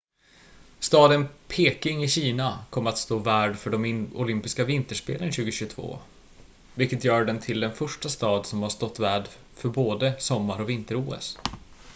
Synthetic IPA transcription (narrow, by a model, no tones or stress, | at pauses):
st̪ɑːd̪ənpʰeːkɪŋɪɕiːnakʰɔmːəɾat̪st̪oːvæːɖfœɖɔmʊlʏmpɪskavɪnt̪əʂpḛːlənɕʉ̟ːɡəɕʉɡt̪ʰvo̰ː | vɪlkət̪jœːɾɖɛnt̪ʰɪld̪ɛnfœʂʈast̪ɑːd̪sɔmhaʂt̪ɔt̪ːvæːɖ | fœɾboːd̪əsɔmːaɾɔvɪnt̪əɾuːɛ̰s